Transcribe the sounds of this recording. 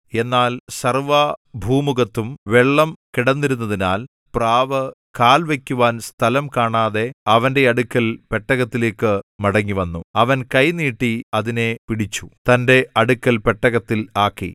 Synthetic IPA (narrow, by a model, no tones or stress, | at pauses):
e̞nːaːlsɐrʋɐbʱuːmuɣɐt̪ːumʋeɭːɐmkiɽɐnːiɾunːɐðinaːl | praːʋɐ | kaːlʋekʲːuʋaːnst̪ʰɐlɐmkaːɳaːðe̞ɐʋɐnde̞ɐɽukʲːɐlpe̞ʈːɐɣɐt̪ːile̞ːkːɨmɐɽɐŋːiʋɐnːuɐʋɐnkɐjniːʈːiɐðine̞piɽit͡ɕːut̪ɐnde̞ɐɽukʲːɐlpeʈːɐɣɐt̪ːilaːkːḭ